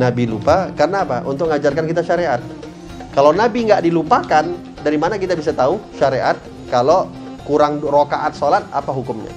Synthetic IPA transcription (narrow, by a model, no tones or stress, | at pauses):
nabilupakarnaːpaʔṵnt̪ʊk̚ŋad͡ʒarkankit̪aʃaɾeʔat̪̚ | kalownabiŋɡaʔdilupakan | daɾimanakit̪abisat̪auʃaɾeʔat̪̚ | kalo | kuɾaŋrokaʔat̪̚solat̪̚a̰paɦukʊmɲa̰